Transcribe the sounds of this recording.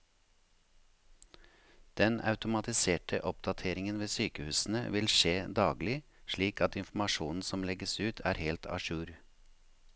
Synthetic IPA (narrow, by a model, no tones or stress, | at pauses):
d̪̥ɛnɑ̰ʉt̪ʊmɑt̪ɪseːʈə̰ʔɔpd̪ɑt̪ʰeːɾɪŋənʋeːsyːkəhʉːsn̩ə̰ʋɪlʃeːd̪ɑːɡlɪʃɭiːkɑt̪ɪnfm̩ɑʃuːnn̩sɔmlɛɡəsʉːt̪ʰæ̰ːɾheːlt̪ʰɑ̰ʃʉːɾ